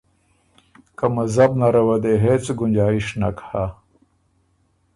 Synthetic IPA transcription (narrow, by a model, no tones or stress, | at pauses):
kɐmɐzɐbnaɾɐwɐd̪eɦet͡sɡunʲd͡ʑaːiʂnakha